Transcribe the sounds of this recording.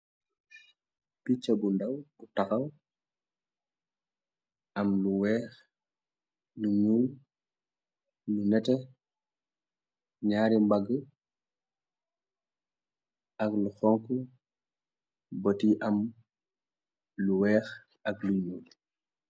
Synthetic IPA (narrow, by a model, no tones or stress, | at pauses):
pit͡ʃɐbundɐwbutɐxɐw | ɐmluwɛːx | luɲuːl | nunɛtɛ | ɲaːɾimbaɡə | ʔɐkluxɔŋku | bɔtiʔɐm | luwɛːx | ɐkluɲuːl